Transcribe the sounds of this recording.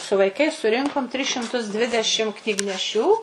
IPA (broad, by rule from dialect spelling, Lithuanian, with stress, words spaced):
sʊ ʋɐɪˈkɐɪs sʊˈrʲɪŋkoːm tʲrʲɪs ʃʲɪmˈtʊs ˈdʲʋʲɪdʲɛʃʲɪm knʲiːɡnʲɛˈʃʲuː